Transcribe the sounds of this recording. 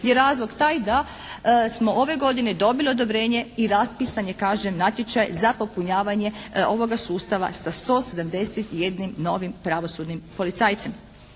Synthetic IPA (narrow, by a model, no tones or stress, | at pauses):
jeɾaːzlˠo̞ɡt̪aːjd̪a | smo̞ʔo̞ʋe̞ɡo̞d̪ine̞d̪o̞bilio̞d̪o̞bɾe̞ːɲe̞iɾaspisaɲekaːʒemnat̪je̞t͡ʃajzapo̞puɲaːʋaɲe̞o̞ʋo̞ɡasuːst̪aʋa̰sast̪o̞ːse̞d̪amd̪e̞set̪je̞d̪nimno̞ʋimpɾaʋo̞sud̪nimpo̞lit̪saːjt̪sem